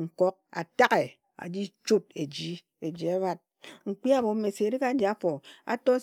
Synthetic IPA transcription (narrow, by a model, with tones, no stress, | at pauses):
ŋ̩˨kɔ˦k̚a̰˨ta˦ke˨ | a̰˨d͡ʒi˦t͡ʃu˦t̚e˨d͡ʒi˦ | e˨d͡ʒi˨a˦βa˦t̚ | ŋ̩˨k͡pi˦a˦bo˨˦me˨se˨ɾi˦ka˦d͡ʒi˨a˦fo˨a̰˦tɔ˦